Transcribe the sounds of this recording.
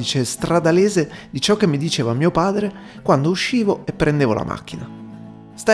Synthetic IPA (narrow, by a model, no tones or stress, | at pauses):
iːt͡ʃest̪ɾad̪aleːzed̪it͡ʃɔkːemːid̪it͡ʃeːvamːiːopaːd̪ɾe | kwand̪ouʃːiːvoepːɾʔend̪eːvo̰lʔa̰mʔa̰k̟ːina | st̪a